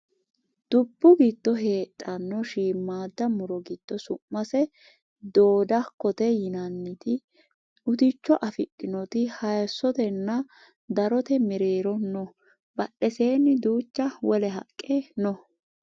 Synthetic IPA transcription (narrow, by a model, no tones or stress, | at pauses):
d̪̥ʊbːʊɡɪt̪ːɔɦe̞ːt̪ʼːɐnːɔʃiːmːaːd̪ːɐmʊɾɔɡit̪ːɔsʊmːɐsɛ | d̪oːd̪ɐkːɔt̪ɛjɪnɐnːɪt̪ɪ | ʊt̪ɪt͡ʃːɔʔɐfɪɗʼːɪnɔt̪ɪhɐjsːɔt̪ɛnːɐ | d̪ɐɾɔt̪ɛmɪɾeːɾɔnːɔ | bɐɗːɛseːnːɪd̪uːt͡ʃːɐwɔlɛɦɐ̰kʼːenɔ